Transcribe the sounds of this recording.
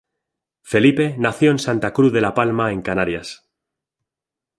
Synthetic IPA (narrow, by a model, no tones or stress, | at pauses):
fe̞lipe̞naθjoensant̪akɾuðe̞lapalmae̞ŋkanaɾjas